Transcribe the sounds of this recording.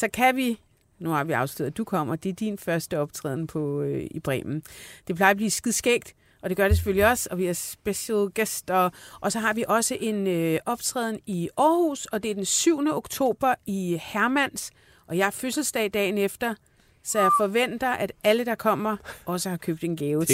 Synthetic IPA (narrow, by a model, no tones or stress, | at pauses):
sɒ̽kʰæʋi | nuhɑ̈ʋiɑ̈ʊsluð̰ˠɐd̥ukʰɒ̽m̰ɐd̥e̝æɐd̥infɶɐsd̥əɒ̽b̥t͡sʰʁɛ̰ːð̰ˠnpʰɒ̽ib̥ʁɛ̰ːmn̩d̥e̝pʰlɑ̈ɪɐb̥liːsɡ̥iðˠsɡ̥eɡ̥̚d̥ | ɒ̽d̥e̝ɡ̥ɶɐɾe̝s̬eføl̰iɒ̽sɒ̽ʋiæɐsb̥eɕɛlɡ̥esd̥ɐʔɒ̽sɒ̽ɦɑ̈ʋiʔɒ̽səʔe̝nøʔɒ̽b̥t͡sʰʁɛ̰ːðˠn̩iɒːhṵsɒ̽d̥e̝æɐd̥ensyʊ̰nəo̝ɡ̥t͡sʰo̝̰ːb̥ɐihæɐmæn̰s | ʔɒ̽jɑ̈ɪɐføsl̩sd̥ɛ̰ːd̥ɛ̰ːnefd̥ɐ | sɒ̽jɑ̈ɪfɒ̽ʋen̰d̥ɐʔæd̥æləd̥ɑ̈kʰɒ̽m̰ɐɒ̽səhɑ̈kʰøb̥̚d̥e̝nɡ̥ɛːʊ